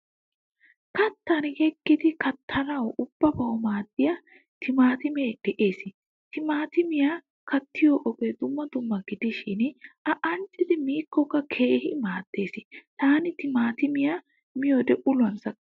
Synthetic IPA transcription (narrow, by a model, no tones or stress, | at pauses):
kɐt̪ːɐnhɛkːɪd̪ɪkɐt̪ʰːɐnɐwʔʊb̥ːɐbɐwmaːd̪ːɪjɐ | t̪ɪmaːt̪ɪmeːd̪̥ɛʔeːsɪ | t̪ɪmaːt̪ɪmɪja | kɐt̪ːɪjoːʔɔbed̪ʊmːɐd̪ʊmːɐɡɪd̪ɪʃɪnʔɐʔɐnt͡ʃʼɪd̪ɪmiːkːɔkːɐkʰe̞ːhɪmaːd̪̥ːe̞ːsɪt̪aːnɪt̪ɪmaːt̪ɪmɪja | mɪjod̪ɛʔʊlʊɐnsɐkː